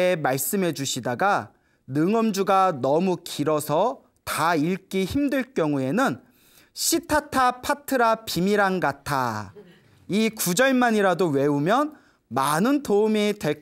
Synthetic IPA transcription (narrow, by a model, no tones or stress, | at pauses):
emaɭs͈ɯmɦe̞d͡ʑuɕʰidaɡa | nɯŋʌmd͡ʑuɡanʌmukiɾʌsʰʌ | taiɭk͈içimdɯɭk͈jʌŋue̞nɯn | ɕʰitʰatʰapʰatʰɯɾapimiɾaŋɡatʰa | ikud͡ʑʌɭmaɲiɾadowe̞umjʌn | manɯntoumitwe̞